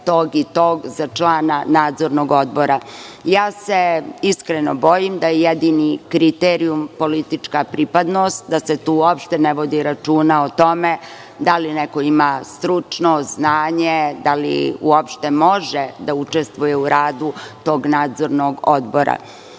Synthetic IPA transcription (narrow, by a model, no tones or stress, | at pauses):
t̪oːɡit̪oːɡzat͡ʃlˠaːnanaːd̪zo̞ɾnoɡod̪bo̞ɾajaːseiskɾenobo̞jimd̪ajejed̪inikɾit̪eɾiumpo̞lit̪it͡ʃkapɾipad̪nost̪̚d̪aset̪uːuopʃt̪eneʋo̞d̪iɾat͡ʃuːnaot̪o̞me | d̪alineko̞imast̪ɾut͡ʂnoznaːɲed̪alḭuopʃt̪emo̞ʒed̪aut͡ʃest̪vʋujeuɾaːd̪ut̪o̞ːɡnaːd̪zo̞ɾnoɡod̪boɾa̰